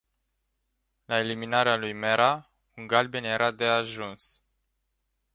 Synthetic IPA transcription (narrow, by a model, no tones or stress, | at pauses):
lae̞liminaɾealujmeɾa | uŋɡalbenje̞ɾʔad̪e̞aʒuns